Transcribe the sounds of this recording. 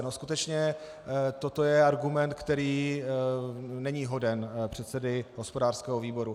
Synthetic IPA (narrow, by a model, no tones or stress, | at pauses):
noskut̪ɛt͡ʃɲɛ | t̪ot̪o̞jɛaɾɡumɛnt̪̚kt̪ɛɾiː | nɛɲiːɦo̞dɛnpr̝̥ɛt̪sɛdɪɦospo̞daːr̥skɛːɦoviːbo̞ɾu